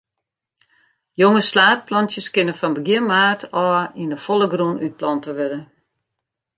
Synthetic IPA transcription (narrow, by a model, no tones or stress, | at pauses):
joŋəslaːt̚plɔntjəskɪnəfɔnbəɡjiəmaːrtʰɔːindəfolˠəɡrunyt̚plɔntəʋɪdə